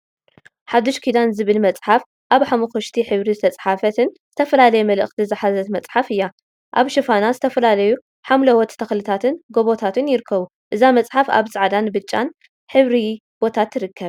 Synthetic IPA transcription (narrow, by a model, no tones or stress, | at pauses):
ħad̪ːɨʃkʰid̪anzɨβɨlmɐt͡sʼħaf | ʔaβħamɐxoʃt̪ʰiħɨβɾizɨt̪ʰɐt͡sʼħafɐt̪ʰɨnz̥ɨt̪ʰɐfɐlalɐjɛmɐlɨ̰xt̪ʰizɨħazɐt̪mɐt͡sʼħafɨjːa | ʔaβʃɨfanazɨt̪ʰɐfɐlalɐju | ħamlɐwɔt̪t̪ʰɐxlɨt̪ʰat̪ʰɨnɡo̞βo̞t̪ʰat̪ɨnjɪɾɨkʰːɐβu | ʔɨzamɐt͡sʼħafa̰βsʼaʕd̪anbɨt͡ʃʼːan | ħɨβɾi | b̥o̞t̪ʰat̪jɨɾɨkːɐβ